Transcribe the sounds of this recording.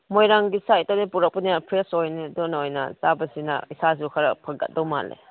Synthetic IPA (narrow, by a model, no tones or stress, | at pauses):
mojɾaŋɡisajtːanipuɾak̚puniapʰɾesojnidɔnaojnɐ̰sabɐsinɐ̰isas̬ukʰɐɾɐpʰɐɡɐ̰t̚dɔwma̰lḛ